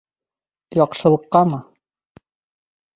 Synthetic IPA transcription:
jɒqʃɤ̆lˠɤ̆qːɑmɤ

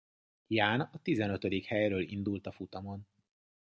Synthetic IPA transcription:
jaːnɒt̪izɛnøt̪ød̪ikhɛjrøːlḭnd̪ult̪ɒfut̪ɒmo̞n

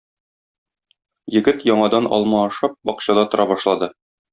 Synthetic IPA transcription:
jɘ̆ɡɘt̪jɒɴɑd̪ɑnɒ̰lˠmɑːʃɑp̚bɒqɕɑd̪ɑt̪ŏɾʔɑbɒʃlˠɑd̪ɤ

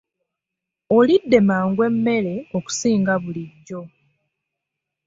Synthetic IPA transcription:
olidːe̞maːŋɡwe̞mːe̞ɾe̞o̞ku̥siːŋɡaβuliɟːo̞

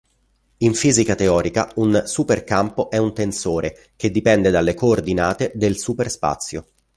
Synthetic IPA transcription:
iɱfiːzikat̪eɔːɾika̰unsuperkampoʔɛunt̪ensoːɾe | k̟ed̪ːipɛnd̪ed̪alːekoːrd̪inaːt̪ed̪elsuperspa̰t̪sːjo

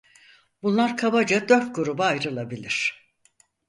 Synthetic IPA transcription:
b̥unlˠaɾkʰabad͡ʒad̪øɾt̪̚ɡuɾubaajɾɯlˠabilʲiɾ̝̥

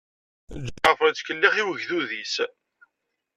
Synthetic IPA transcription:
d͡ʒəfəɾt͡sːkəlːiχiwəʝðuðis

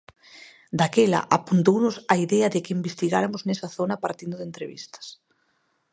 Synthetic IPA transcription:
d̪akela̰ʔapunt̪ownʊsaiðɛɐðɪkɪimbest̪iɣaɾamʊznesɐθonɐpaɾt̪ind̪ʊðent̪ɾeβḭst̪ɐ̥s

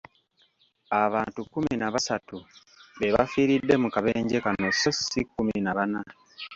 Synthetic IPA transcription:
aβaːntukːuminaβasatu | βeβa̰fiːɾidːe̞mukaβe̞ːɲɟe̞kano̞sosikːuminaβana

